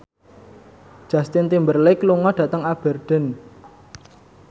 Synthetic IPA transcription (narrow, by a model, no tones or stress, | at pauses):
ʒ̥ä̤st̪ɪnt̪imbərlɪkluŋɔɖ̥ä̤t̪əŋab̥ə̤rɖ̥ə̤n